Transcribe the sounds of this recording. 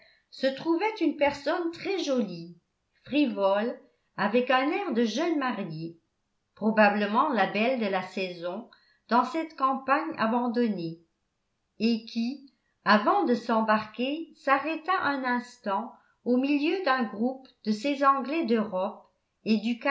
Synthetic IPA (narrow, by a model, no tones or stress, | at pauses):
sət̪χuvɛt̪ynpɛʁsɔnt̪χɛʒɔli | fχivɔl | avɛkɛ̃nɛʁd̪əʒœnmaʁje | pχɔbabləmɑ̃labɛld̪əlasɛzɔ̃ | d̪̥ɑ̃sɛt̪kɑ̃paɲa̰bɑ̃d̪ɔne | ekʲi | avɑ̃d̪əsɑ̃baʁkesaʁɛt̪aʔɛ̃nɛ̃st̪ɑ̃ | omiljød̪ɛ̃ɡʁupd̪əsezɑ̃ɡlɛd̪øʁɔp̚ | ed̪yk